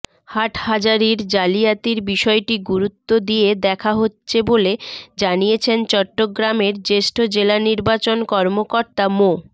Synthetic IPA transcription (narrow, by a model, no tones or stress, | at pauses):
haʈʰhad͡ʑaɾiɾd͡ʑalijat̪iɾbiʃɔeʈiɡuɾut̪ːod̪ied̪ɛkʰaɦotːɕʰeboled͡ʑanijet͡ɕʰent͡ɕɔʈːoɡɾameɾd͡ʑeʃʈʰod͡ʑelaniɾbat͡ɕonkɔɾmokoɾt̪amo